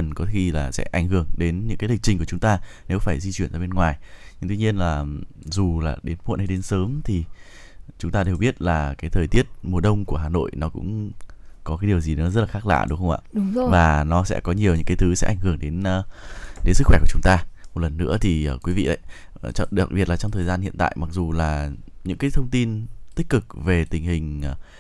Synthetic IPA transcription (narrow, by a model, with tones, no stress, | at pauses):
ə˨˩nkɔ˨˦xi˧laː˨˩sɛ̰˧˥ʔa˧˩jŋ̟hɨ˧˩əŋɗe˨˦nɲɨ̰˧˥ŋkaː˨˦jlï˨˩k̚t͡ɕï˧ŋku˧˩ət͡ɕʊ˨˦ŋ͡mt̪aː˧ne˨˦wfaː˧˩jzi˧t͡ɕwi˧ənzaː˧˩ɓe˧nŋwaː˨˩jɲɨ˧ŋt̪wi˧ɲi˧ənlaː˨˩ | zu˨˩laː˨˩ɗe˨˦nmṵ˧˨nhɗe˨˦nsəː˨˦mt̪ʰi˨˩ | t͡ɕʊ˨˦ŋ͡mt̪aː˧e˨˩wɓi˦˥ət̚laː˨˩kaː˨˦jt̪ʰəː˨˩jt̪i˦˥ət̚mu˨˩əɗə˧wŋ͡mku˧˩əɦaː˨˩no̰˧˨jnɔ˨˦kʊ̰˧˥ŋ͡mkɔ˨˦kaː˨˦jɗi˨˩əwzi˨˩nɨ̰˧˥zə˦˥t̚laː˨˩xaː˦˥k̚la̰ː˧˨ɗɨ˨˦wxə˧wŋ͡ma̰ː˧˨ɗʊ˨˦˧vaː˨˩nɔ˨˦sɛ̰˧˥kɔ˨˦ɲi˨˩əwɲɨ̰˧˥ŋkːaː˨˦t̪ʰɨ˨˦sɛ̰˧˥ʔa˧˩jŋhɨ˧˩əŋɗe˨˦nː˨˧ɗe˨˦sɨ˦˥xwɛ˧˩ku˧˩˨t͡ɕʊ˨˦ŋ͡mt̪aː˧mo˨˩t̚lə˨˩nːɨ̰˧˥ət̪ʰi˨˩ʔəː˧˩kwi˨˦vḭ˧˨ʔə̰˧˨j | t͡ɕɔ̰˧˨ɗa˨˩k̚ɓi˨˩ət̚laː˨˩t͡ɕɔ˧ŋ͡mt̪ʰəː˨˩jzaː˧nhḭ˧˨nt̪a̰ː˧˨jma˨˩k̚zu˨˩laː˨˩ɲɨ̰˧˥ŋkaː˨˦jt̪ʰə˧ŋ͡mt̪i˧nt̪i˦˥k̟̚kɨ˨˩k̚ve˨˩t̪ï˨˩ŋ̟hï˨˩ŋ̟˨˩